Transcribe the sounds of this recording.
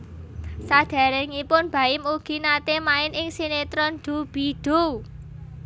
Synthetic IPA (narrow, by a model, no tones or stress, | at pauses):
sad̪̥a̤ɾeŋipʊnb̥a̤ɪmuɡ̥i̤nat̪emaɪnɪŋsinet̪ɾɔnd̪̥ṳb̥i̤ɖ̪̥u